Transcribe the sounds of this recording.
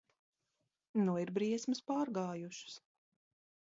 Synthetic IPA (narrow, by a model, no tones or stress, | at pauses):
nuiɾbɾiɛsmɨspaːɾɡaːjuʃs